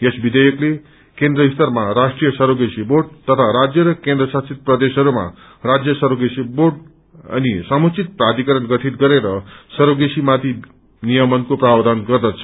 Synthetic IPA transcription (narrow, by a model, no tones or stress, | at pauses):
esbid̪ʌjʌkle | kẽnd̪rʌist̪ʌrmaɾasʈrijʌsʌɾoɡesiboɖ̚t̪ʌt̪ʰaɾad͡zjʌɾʌkẽnd̪rʌsat͡sʰit̪̚prʌd̪esɦʌɾuma̰ | rad͡zjʌsʌɾoɡesiborɖ | ʌ̰nisʌmut͡sit̪̚prad̪ikʌɾʌnɡʌʈʰit̪ɡʌɾeɾʌsʌɾoɡesimat̪ʰi | nijʌmʌnkoprabd̪ʱanɡʌrd̪ʌt͡sʰʌ̥